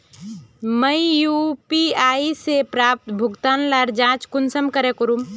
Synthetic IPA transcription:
məjjupiaːisepɾaːp̚t̪bʱʊɡt̪aːnlaɾd͡ʒãːt͡ʃkʊnsəmkəɾekʊɾum

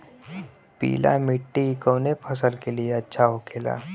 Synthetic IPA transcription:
pḭːla̰mɪʈːikoːnepʰɐs̬əlkelieɐtːʃʰaɦokʰeːla̰ː

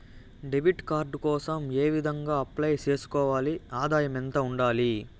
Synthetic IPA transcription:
ɖebiʈkaːɾɖkɔːsɐme̞ːʋid̪ʱɐŋɡaːɐplɐjt͡ʃe̞ːsu̥kɔːʋaːliaːd̪aːjɐmɛnt̪ɐuɳɖaːli

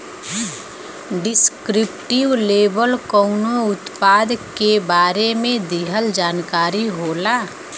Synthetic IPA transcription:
ɖɪskɾɪpʈɪwleːbəlkɔʊnoʊt̪paːd̪kebaːɾemẽd̪iɦəld͡ʒaːnkaːɾiɦoːlaː

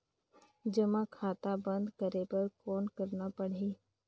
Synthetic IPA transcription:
d͡ʒəmãkʰaːt̪abə̃nd̪kəɾepɐɾkoːnkəɾnapəɽ̤eː

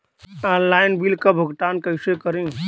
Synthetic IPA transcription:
ɔːnlaːɪnbilkabʱəɡt̪aːnkəɪsekəɾẽ

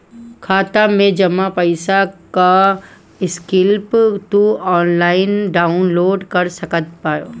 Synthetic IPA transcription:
kʰaːt̪amẽd͡ʒɐmːapɐɪsaka | ɪskɪlpt̪uɔːnlaːɪnɖaːʊnloːɖkɐɾsɐkət̪̚pajo

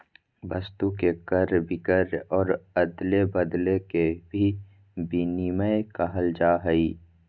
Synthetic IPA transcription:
bəst̪ukekəɾbɪkəɾɔːɾəd̪lebəd̪lekebʱi | biniməjkəɦəld͡ʒaːɦəiː

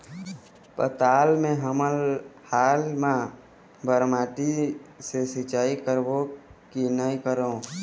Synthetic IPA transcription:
pə̰t̪aːlmẽɦəməlhaːlmã | bʱəɾmaːʈisesɪt͡ʃaːikəɾbokinaːikəɾoo

